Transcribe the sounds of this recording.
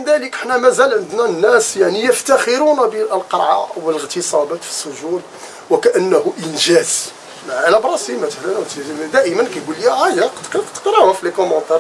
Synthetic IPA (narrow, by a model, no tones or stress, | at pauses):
mənd̪æləkʔəħnæmæzælʕənd̪nænːæsjaʕnijəft̪æxəɾunæbəəlqɑ̰ɾˤʕawələɣt̪əsˤɑbæt̪fi̥sːʊʒul | wəkæʔənːæhuʔənʒæz | mʕalæbɾˤɑsimæt̪əħlænt̪id̪æʔəmənkæjɡuljæʕæjæqt̪lqt̪ːə̥qɾˤɑwəflekʊmɑ̃t̪ˤɑɾˤ